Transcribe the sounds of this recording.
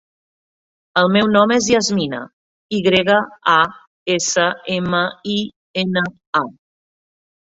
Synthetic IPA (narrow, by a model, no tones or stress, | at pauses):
əlˠmɛwnɔmezjazminə̰ | iɣɾeɣəa | esəeməi | enə | a